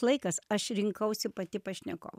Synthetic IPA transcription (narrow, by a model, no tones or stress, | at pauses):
lˠɐɪkɐsɐʃɾʲɪŋkɐʊsʲɪpɐt̪ʲɪpɐʃʲnʲɛko̰ːʋ